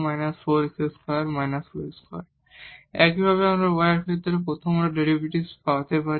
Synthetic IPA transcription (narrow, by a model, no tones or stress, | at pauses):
majnasoɾseskɔɾaɾmajnasoɾeskʰɔ̰ɾaɾ | ɛkibʱaβeamɾabɔjaɾket̪oɾepɾot̪ʰomɾaɖeɾibiʈispawat̪epaɾ